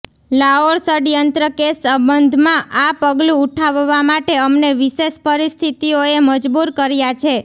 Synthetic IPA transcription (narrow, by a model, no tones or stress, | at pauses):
laɦoɾsəɖjənt̪ɾəkesəbənd̪ʱmãʔapəɡlũːʈʰaʋːamaʈeəmneʋiʃeʃpəɾist̪ʰit̪ioeməd͡ʒbuɾkəɾjat͡ʃʰe